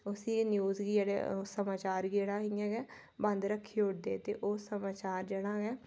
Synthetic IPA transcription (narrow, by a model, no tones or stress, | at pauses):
ʊsĩːnjuːzɡiːd͡ʒeɽḛsəmaːt͡ʃaːɾɡeːɽaːɦĩɛ̃ːɡɛː | bə̃nd̪ɾəkʰːiːʊɽd̪ḛːt̪ḛːʔoːsəmaːt͡ʃaːɾd͡ʒeːɽaːɡɛː